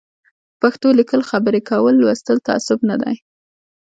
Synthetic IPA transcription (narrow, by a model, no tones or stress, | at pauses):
paxt̪olɪkəlxabəɾekawəlːwəst̪əlt̪aa̰sʊbnad̪a̰j